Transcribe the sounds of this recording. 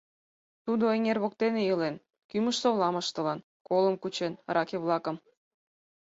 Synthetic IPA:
t̪ud̪oeŋerβok̚t̪enejəlen | kyməʃsoβlˠɑməʃt̪ɤ̆lɑn | koləmkut͡ɕenɾɑkeβlɑkə̆m

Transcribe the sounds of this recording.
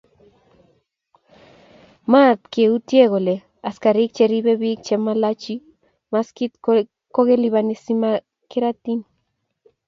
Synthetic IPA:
mat̪keut̪jeɣole | askaɾik̚t͡ʃeɾiβeβik̚t͡ʃemalat͡ʃi | maskit̪ | koɣeliβanesima | keɾat̪in

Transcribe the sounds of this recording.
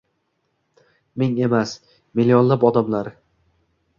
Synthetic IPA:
mɪŋe̞mas | milːijɒnlapɒd̪amlaɾ

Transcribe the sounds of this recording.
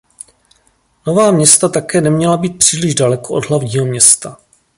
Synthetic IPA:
no̞vaːmɲɛst̪at̪akɛːnɛmɲɛlabiːt̪̚pr̝̥iːlɪʒdalɛkoʔo̞dɦlavɲiːɦomɲɛst̪a

